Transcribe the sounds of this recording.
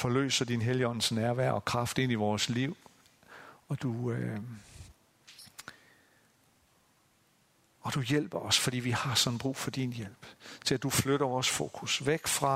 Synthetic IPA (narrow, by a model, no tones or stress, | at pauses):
fɒ̽lø̰ːsɐd̥inɦeljiɒ̽n̰n̩snæɐʋæɐ̰ɒ̽kʰʁɑ̈fd̥e̝n̰iʋɒːsliʊ̰ | ɒ̽d̥u | ɒ̽d̥ujel̰b̥ɐɒ̽sfɒ̽d̥ḭːʋihɑ̈sɒ̽n̩b̥ʁṵːfɒ̽d̥injel̰b̥t͡sʰe̝læd̥ufløɾ̥ɐʋɒːsfo̝̰ːkʰusʋeɡ̥fʁɑ̈